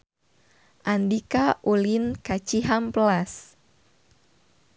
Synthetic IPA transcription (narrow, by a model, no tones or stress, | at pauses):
ʔandikaʔulinkat͡ʃiɦamplas